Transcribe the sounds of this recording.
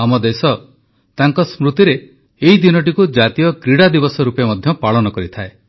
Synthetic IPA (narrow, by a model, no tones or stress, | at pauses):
amɔd̪esɔ | t̪aŋkɔsmɾut̪iɾe | eid̪inɔʈikud͡ʒat̪ijɔkɾiɽad̪ibɔsɔɾupemɔd̪ʱjɔpaɭɔnɔkɔɾit̪ʰae